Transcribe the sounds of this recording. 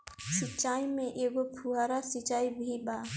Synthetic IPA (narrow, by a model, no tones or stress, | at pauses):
sit͡ʃaːimẽʔeɡopʰuɦaɾasit͡ʃaːibʱiɓaː